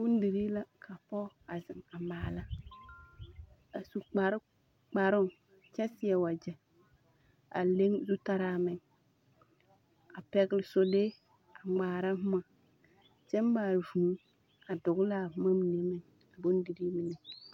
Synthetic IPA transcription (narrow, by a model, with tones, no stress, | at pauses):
bʊ˦n˦di˨ɾi˦la˦kʰa˨pɔ˦ | a˨zɪ˨ŋa˨maː˨la˦ | a˨su˨k͡pa˨ɾɪ˦ | k͡pa˨ɾʊ˦ŋ | t͡ʃɛ˦sɪ˨˦ɛ˨wa˨d͡ʒɛ˨ | a̰˨le˦ŋzu˦ta˦ɾaː˦mɪ˨ɲ | a˨pɛ˦ɡɪ˦lɪ˨so˨le˦ | a˨ŋ͡maː˨ɾa˦hʊ˦ma˨ | t͡ʃɛ˦mbaː˨vu˨˦ | a˨dʊ˨ɡla˦˨˦ma˦m˨ne˦mɛ˨n | a˨bʊ˦n˦di˨ɾiː˦mi˨nɛ˨